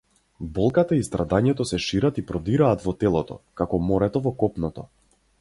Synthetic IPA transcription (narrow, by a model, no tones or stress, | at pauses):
bɔlˠkat̪aist̪ɾʔad̪aɲɛt̪ɔsɛʃiɾat̪ipɾɔd̪iɾaːt̪vɔt̪ɛlˠɔt̪ɔ̰kakɔmɔɾɛt̪ɔvɔkɔpnɔt̪ɔ̰